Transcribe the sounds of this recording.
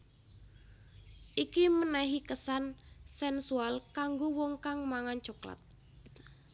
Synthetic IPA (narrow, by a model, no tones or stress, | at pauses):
ʔikimənɛɦikəsansɛnsualkaŋɡowɔŋkaŋmaŋan̥d͡ʒ̥o̤kla̰t̪̚